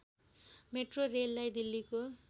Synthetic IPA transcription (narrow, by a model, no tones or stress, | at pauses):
meʈrorelːajd̪ilːiko